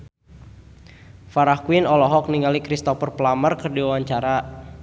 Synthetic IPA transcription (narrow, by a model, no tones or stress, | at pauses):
faɾahkwinɔlɔɦɔk̚niŋalikɾist̪ɔfərplamərkərdiwawaɲt͡ʃaɾa